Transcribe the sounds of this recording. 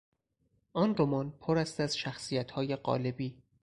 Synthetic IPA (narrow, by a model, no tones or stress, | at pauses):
ʔɒːnɾomɒːnpʰoɾæst̪æz̥ʃæxsijæt̪ʰhɒːje̞ɢɒ̰ːle̞biː